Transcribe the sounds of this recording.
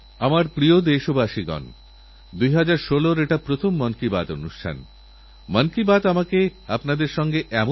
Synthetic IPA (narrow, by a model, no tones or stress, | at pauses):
amaɾpɾiod̪eʃobaʃiɡɔ̰n | d̪ujɦad͡ʑaɾʃoloɾeʈapɾot̪ʰomːɔnkiba̰t̪o̰nuʃʈʰa̰n | mankibad̪amakeapnad̪eɾʃɔŋɡeʔɛmo